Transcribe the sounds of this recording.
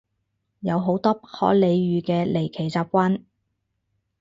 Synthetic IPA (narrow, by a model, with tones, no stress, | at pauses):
jɐ˨˧wɦo˨˥wt̪ɔː˥pɐ˥hɔ̰ː˨˥le˨˧jɥyː˨˧kɛː˧le˨˩jkʰe˨˩jt͡saː˧p̚kʷa˥n